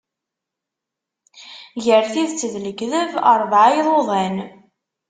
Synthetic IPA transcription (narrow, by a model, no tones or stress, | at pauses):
ʝəɾθiðt͡sːəðləɡðəvə̰ɾˤvʕajðˤoðˤæn